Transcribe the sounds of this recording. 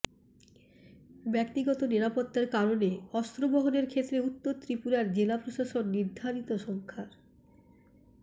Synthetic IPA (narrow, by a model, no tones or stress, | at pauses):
bɛk̚t̪iɡɔt̪oniɾapot̪ːaɾkaɾoneɔst̪ɾobɔɦoneɾkʰet̪ːɾeut̪ːoɾt̪ɾipuɾaɾd͡ʑelapɾoʃaʃonːiɾd̪ʱaɾit̪oʃɔŋkʰaɾ